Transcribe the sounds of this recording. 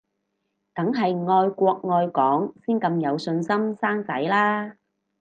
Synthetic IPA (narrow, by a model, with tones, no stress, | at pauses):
t̪ɐ˨˥ŋɦɐ˨jŋɔː˧jkʷɔː˧k̚ŋɔː˧jkɔː˨˥ŋsiː˥nkɐ˧mjɐ˨˧wsɵ˧nsɐ˥msaː˥ŋt͡sɐ˨˥jlaː˥